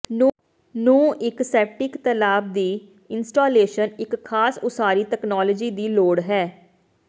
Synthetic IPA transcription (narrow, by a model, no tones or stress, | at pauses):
nũːɪksɛːp̚ʈɪkt̪əlaːb̚d̪iː | ɪnsʈaːleːʃənɪkʰːaːsʊsaːɾiːʈ̪ɛːknɔːləd͡ʒiːd̪iːloːɽɦɛː